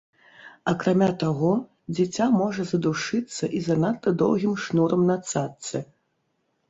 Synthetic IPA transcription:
ɐkɾamʲat̪aɣɔ | d͡zʲit͡sʲamɔʐɐzɐd̪uʂɨt̪sːɐʔizɐnat̪ːɐd̪ɔ̰wɣʲimʂnɔɾɐmnat̪sat̪sɨ

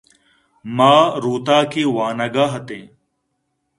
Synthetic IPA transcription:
maːɾuːt̪aːkeːwaːnəɡaːɦət̪ẽː

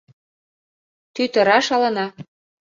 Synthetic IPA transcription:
t̪yt̪ɤ̆ɾɑʃɑlɤ̆nɑ

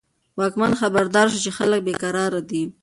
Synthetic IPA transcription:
wɑkmanxabaɾd̪ɑɾʃ̬ut͡ʃexalək̚bekaɾɑɾad̪i

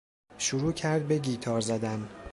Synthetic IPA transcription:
ʃuɾuːcʰæɾd̪̚beɟiːt̪ʰɒːɾzæd̪æn

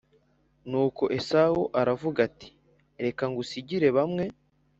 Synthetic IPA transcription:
nuːko̞ʔe̞sauʔaɾavuɡati̥ | ɾe̞kaŋɡusiɟiɾe̞βamŋe̞

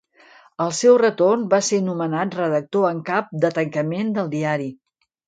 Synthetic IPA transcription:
əlˠsɛwrət̪ornbasenumənat̪rəðək̚t̪oəŋkap̚d̪ət̪əŋkəmend̪əlˠd̪iaɾi

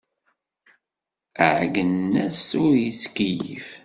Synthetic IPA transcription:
əʕɡənːæsʊɾjiskijḭf

